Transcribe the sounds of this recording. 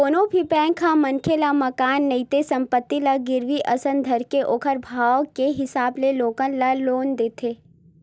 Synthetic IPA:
koːnõbʱipɛ̃ːŋkʰamɐnkʰelamɐkaːnːɐit̪esɐ̃mpət̪ːilaɡɪɾʋiʔɐsə̃nd̪ʱɐɾkeʔoːkʰəɾbʱaːwkeɦɪsaːbleloːkənlaloːnd̪eːt̪ʰeː

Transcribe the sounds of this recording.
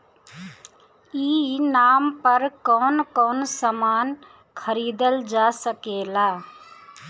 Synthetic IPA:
iːnaːmpəɾkɔːnkɔːnsəmaːn | kʰəɾiːd̪əld͡ʒaːsəkeːlaː

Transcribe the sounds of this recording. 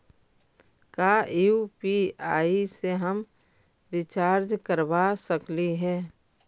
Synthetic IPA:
kaːupiaːiseɦəm | ɾɪt͡ʃaːɾd͡ʒkəɾbasəkliɦɛː

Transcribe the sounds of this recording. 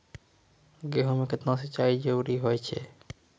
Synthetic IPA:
ɡeɦomeket̪nãs̬et͡ʃaid͡ʒewɾiɦojt͡ʃʰɛ̰

